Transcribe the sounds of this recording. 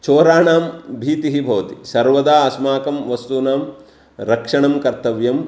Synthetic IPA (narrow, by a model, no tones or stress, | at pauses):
t͡ʃoːɾaːɳaːmbʱiːt̪iɦibʱɐʋɐt̪isɐɾʋɐd̪aːɐsmaːkɐmʋɐst̪uːnaːm | ɾɐkʂɐɳɐmkɐɾt̪ɐʋjɐm